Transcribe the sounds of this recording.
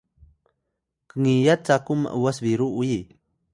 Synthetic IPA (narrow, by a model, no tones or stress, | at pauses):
kəŋijat̪̚t͡sakuma̰ʔuwasbiɾuuji